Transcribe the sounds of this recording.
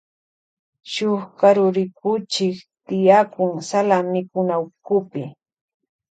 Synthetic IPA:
ʃʊχkaɾʊɾɪkʊt͡ʃɪkt̪ɪjakʊŋsalamɪkʊnawkʊpɪ

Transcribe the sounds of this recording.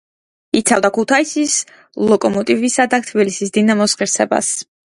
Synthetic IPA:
it̪sʰavd̪akʰut̪ʰaisis | lˠɔkʼɔmɔt̪ʼivisad̪at̪ʰbilisisd̪inamɔsχiɾsɛba̰s

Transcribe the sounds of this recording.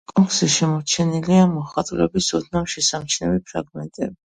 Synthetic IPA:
kʼɔŋksiʃɛmɔɾt͡ʃʰɛniliamɔχat̪ʼulɛ̰bisɔd̪namʃɛsamt͡ʃʰnɛvipʰɾa̰ɡmɛnt̪ʼɛbi

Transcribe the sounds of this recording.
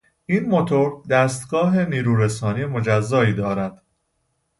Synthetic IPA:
ʔiːnmo̞t̪ʰo̞ɾd̪æːst̪ɡɒːɦeniːɾuːɾesɒːniːmo̞d͡ʒæzːɒːiːd̪ɒːɾæd̪̥

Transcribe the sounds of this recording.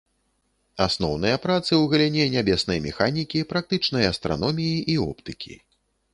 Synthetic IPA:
asnɔwn̪ɨjɐpɾat̪sɨwɣɐlʲɛnʲɛnʲabʲɛsnɐjmʲɛxanʲikʲipɾak̚t̪ɨt͡ʂnɐjɐɐst̪ɾa̰nɔmʲijiʔiɔ̰pt̪ɨkʲḭ

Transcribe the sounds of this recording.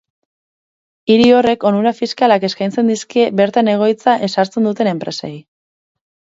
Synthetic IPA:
iɾio̞re̞ko̞nuɾafiskalake̞skajnt͡se̞nd̪iskebe̞ɾt̪ane̞ɣ̞o̞jt͡saʔe̞saɾt͡se̞nd̪ut̪e̞ne̞mpɾe̞sej

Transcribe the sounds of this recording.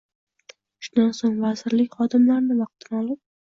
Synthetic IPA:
ʃʊnd̪ansoŋvazɪɾlɪkʲχɒd̪ɪmlaɾnɪmɑq̚t̪ɪnɒlˠɪp̚

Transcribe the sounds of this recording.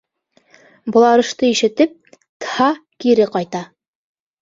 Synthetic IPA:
bɤ̆lˠɑɾɤ̆ʃt̪ɤiʃɘ̆t̪ɘp̚ | t̪ɤ̥hɑkiɾɘqɑjt̪ɑ

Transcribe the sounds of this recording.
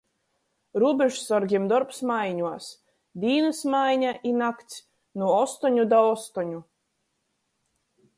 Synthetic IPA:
ɾuɔbʲeʒusɔɾɡʲiɛmd̪ɔɾpsmajɲuɔs | d̪ʲiːnɨsmajɲaʔinakt̪sʲ | nuɔst̪ɔɲud̪aɔst̪ɔɲu

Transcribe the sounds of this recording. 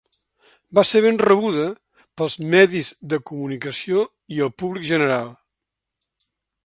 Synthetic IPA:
baseβ̞enrəβ̞uðə | pəlˠzmɛðizðəkumunikəsio | iəlˠpuβlikʒənəɾalˠ

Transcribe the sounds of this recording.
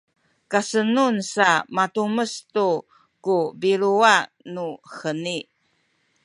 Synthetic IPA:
kasənunsamatuməstu | kubiɾuanuxəni

